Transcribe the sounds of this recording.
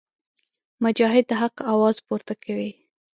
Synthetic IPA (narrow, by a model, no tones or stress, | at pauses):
mʊd͡ʒɑɦɪd̪̚ːaɦaqawɑzpuɾt̪akʰawi